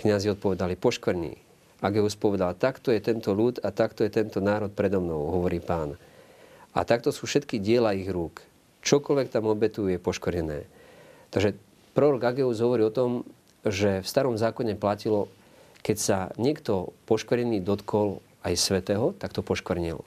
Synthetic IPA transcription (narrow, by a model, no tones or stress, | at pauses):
kɲaziɔt̪̚pɔʋɛd̪alipɔʃkɾɲḭː | aɡɛuspɔʋɛd̪alt̪akt̪ɔjɛt̪ɛnt̪ɔʎuːt̪at̪akt̪ɔjɛt̪ɛnt̪ɔnaːɾɔt̪̚pɾɛd̪ɔmnɔʊɦɔʋɔɾiːpaːn | a̰t̪ak̚t̪ɔsuːfʃɛt̪kiɟɪɛlaiɣɾuːk | t͡ʃɔkɔlʋɛk̚t̪amɔbɛt̪uujɛpɔʃkɔɾɲɛnɛ̰ːt̪aʒɛ | pɾɔɾɔɡaɡɛuzɦɔʋɔɾiːɔt̪ɔm | ʒɛfst̪aɾɔmzaːkɔɲɛplacilɔ | kɛcsaɲɪɛkt̪ɔpɔʃkɔrɾɲɛniːd̪ɔt̪kʰɔl | ajsʋɛt̪ɛːɦɔt̪akt̪ɔpɔʃkʋrɲḭl